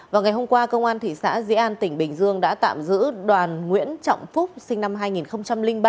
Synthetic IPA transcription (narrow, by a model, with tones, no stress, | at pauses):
vaː˨˩wŋa˨˩jɦo˧ŋ͡mkwaː˧kə˧wŋ͡mʔaː˧nt̪ʰḭ˧˨sa̰ː˧˥zḭ˧˥ʔaː˧nt̪ï˧˩ŋ̟ɓï˨˩ŋ̟zɨ˧əŋɗa̰ː˧˥t̪a̰ː˧˨mzɨ̰˧˥ɗwaː˨˩nŋwḭ˧˥ənt͡ɕɔ̰˧˨wŋ͡mfʊ˦˥k͡p̚sï˧ŋ̟na˧mɦaː˧jŋi˨˩nxə˧wŋ͡mt͡ɕa˧mlï˧ŋɓaː˧